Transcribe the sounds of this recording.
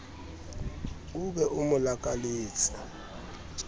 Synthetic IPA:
uɓɛʔumulak̬ʼaliːsḁ

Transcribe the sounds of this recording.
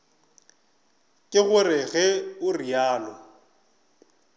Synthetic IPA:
kʼɪɣʊrɪɣɛʊriaːlɔ

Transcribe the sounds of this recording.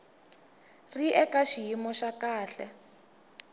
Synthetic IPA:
riʔɛkaʃijimɔʃakaːɬɛ

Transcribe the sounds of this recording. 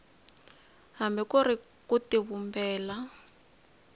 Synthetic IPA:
ɦambɛkuri | kutiβumbɛːla

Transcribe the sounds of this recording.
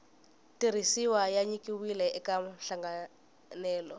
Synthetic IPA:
tʼiɾ̤isiwajaɲikʼiwilɛɛkam̩ɬaŋɡa | nɛːlɔ

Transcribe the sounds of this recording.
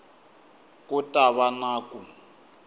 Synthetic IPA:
kʼʊtʼaβanaːkʼu

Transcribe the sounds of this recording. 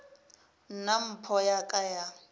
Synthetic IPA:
n̩nam̩pʰɔjakʼaja

